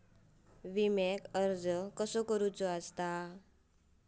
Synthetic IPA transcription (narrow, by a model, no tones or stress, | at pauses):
ʋimekəɾd͡zəkəsokəɾut͡sɔəst̪a